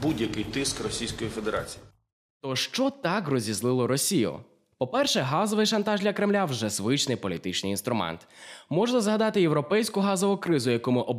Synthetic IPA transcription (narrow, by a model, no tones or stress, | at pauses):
budʲjɐkɪjt̪ɪskrɔsʲijsʲkɔjife̞d̪eɾa̰t͡sʲi̥ji | t̪ɔʃt͡ʃɔt̪ɑkrɔzʲizlˠɪlˠɔɾɔsʲijʊ̰ | pɔpɛrʃɛɦɑzɔʋɪjʃɐnt̪ɑʒd̪ʲlʲɐkɾɪmlʲawʒɛzʋɪt͡ʃnɪjpɔlʲit̪ɪt͡ʃnɪjinst̪ɾʊmɛ̰nt̪mɔʒnɐzɦɐd̪ɑt̪ɪjewɾɔpɛjsʲkʊɦɑzɔʋʊkɾɪzʊjɐkɔmʊʔɔ